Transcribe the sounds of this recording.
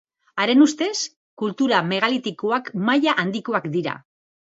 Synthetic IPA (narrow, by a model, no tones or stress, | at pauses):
aɾe̞nust̪e̞s | kult̪uɾame̞ɣ̞alit̪ikoakmajaʔand̪ikoakd̪iɾa̰